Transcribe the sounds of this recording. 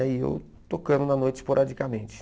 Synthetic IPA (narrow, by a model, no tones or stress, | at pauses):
aiḛw | t̪okɐ̃ɾʊ̃nɐnojt͡ʃɪspoɾʔad͡ʒikɐmẽnt͡ʃɪ̥